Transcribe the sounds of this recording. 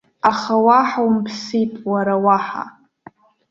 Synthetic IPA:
aχawaħawmpʰsipʼwaɾawaħa̰

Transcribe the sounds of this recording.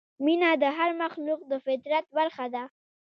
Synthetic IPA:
minad̪əɦaɾmaxluq̚d̪əfɪt̪ɾat̪̚baɾxad̪a

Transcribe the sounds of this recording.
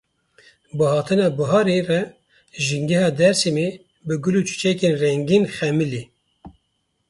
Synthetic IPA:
bɨhɑːt̪ʰɨnɑːbɨɦɑːɾerɛ | ʒiŋɡɛhɑːd̪ɛɾsime | bɨɡʊluːt͡ʃʰu̥t͡ʃɛkeːnrɛŋɡinχɛmɨli

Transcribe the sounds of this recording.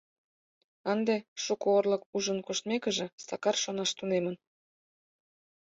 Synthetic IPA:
ənd̪eʃukoorlə̆kuʒənkoʃt̪mekə̆ʒĕsɑkɑrʃonɑʃt̪unemən

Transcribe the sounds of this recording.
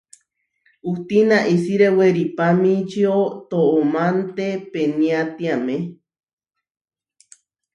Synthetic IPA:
ut̪inaʔisiɾeweɾipamĩt͡ʃiot̪oʔomant̪epeniat̪iamẽ

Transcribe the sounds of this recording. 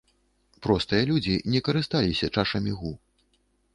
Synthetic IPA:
pɾɔst̪ɨjɐlʲud͡zʲinʲɛkɐɾɨst̪alʲisʲɐt͡ʂaʂɐmʲiɣu

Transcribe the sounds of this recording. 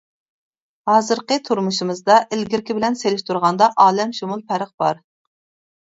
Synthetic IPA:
hɑːzɨɾqət̪ʰuɾmuʃimɨzd̪ɑʔɪlɡʲɪɾkʲibɪlɛnselɪʃt̪ʰuɾʁɑnd̪ɑʔɑːlɛmʃumulˠpʰæɾəχ̚b̥ɑɾ

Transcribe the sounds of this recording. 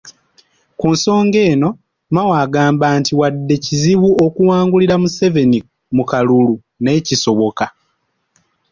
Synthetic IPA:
kuːnso̞ːŋɡe̞ːno̞ | mawaːɡaːmbaːntiwadːe̞ciziβuokuwaːŋɡuliɾamuse̞ve̞ni | mukalulu | ne̞ːciso̞βo̞ka

